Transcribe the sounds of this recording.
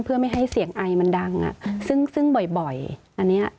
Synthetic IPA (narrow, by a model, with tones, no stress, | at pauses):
pʰɯ˥˩ɐma˥˩jɦa˥˩jsi˨˩˦əŋʔa˧jma˧nda˧ŋʔa̰˨˩sɯ˥˩ŋsɯ˥˩ŋbɔ˨˩jbɔ˨˩jʔa˧nːi˦˥ɐ˩ʔ